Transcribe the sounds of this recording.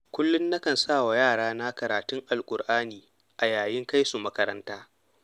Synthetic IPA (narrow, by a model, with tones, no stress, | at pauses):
kʷʊ˦lːʊ˦nːɐ˦kɐ˨nsaː˦˨wa˨jaː˦˨ɽaː˦na˦kɐ˨ɾaː˨tʊ˦ŋʔa˨lkʷʼʊ˨ɾʔaː˦niː˨ | ʔa˨jaː˨jɪ˦ŋka˦jsu˨mɐ˦kɐ˦ɾɐ˦ntaː˦